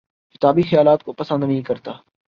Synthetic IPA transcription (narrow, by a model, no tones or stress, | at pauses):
kɪt̪aːbixɐjaːlaːt̪̚kopɐsə̃nd̪nɐɦĩkɐɾt̪aː